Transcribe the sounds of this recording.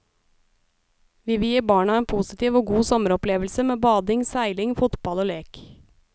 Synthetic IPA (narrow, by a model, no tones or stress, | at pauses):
ʋiːʋɪːjiːbɑːɳɑeːnpʰuːsɪt̪iːʋoːɡuːsɔməɾɔpleːʋəlsəmeːbɑːd̪ɪŋsæɪlɪŋfʊt̪bɑloːleːk